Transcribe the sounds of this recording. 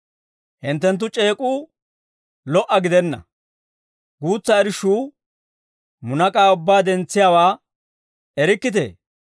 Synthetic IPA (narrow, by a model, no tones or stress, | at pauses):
hɪnt̪ːɛnt̪̬ːʊt͡ʃʼe̞ːkʼuː | lɔʔɐɡɪd̪ɛnːɐ̰ | ɡuːt͡sːɐɛɾɪʃuː | mʊnɐkʼaːʊbːaːd̪ɛnt͡sːɪjawaː | ɛɾɪkːɪt̪̬ḛː